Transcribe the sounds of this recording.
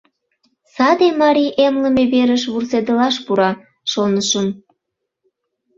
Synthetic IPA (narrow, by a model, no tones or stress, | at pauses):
sɑd̪emɑɾiʔemləmeβeɾəʃβursed̪əlɑʃpuɾɑ | ʃonəʃəm